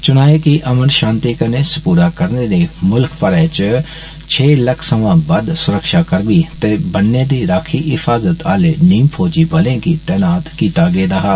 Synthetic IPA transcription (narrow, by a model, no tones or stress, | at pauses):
t͡ʃʊnaːeːkɪʔəmənʃãːnt̪iːkəneːsəpuːɾaːkəɾneːneːmʊlkpəɾɛ̃ːt͡ʃə | t͡ʃʰeːləkʰsəʋãːbəd̪sʊɾəkʃaːkəɾbiːt̪eːbənːẽːd̪iːɾaːkʰiːʔɪfʰaːzət̪aːleːnĩːmpʰoːd͡ʒiːbəlẽːkiːt̪ɛːnaːt̪kiːt̪aːɡeːd̪aːɦaː